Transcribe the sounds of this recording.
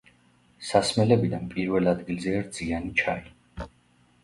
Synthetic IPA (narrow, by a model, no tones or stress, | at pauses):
sasmɛlɛbid̪anpʼiɾvɛlad̪ɡilzɛaɾd̪z̥ianit͡ʃʰai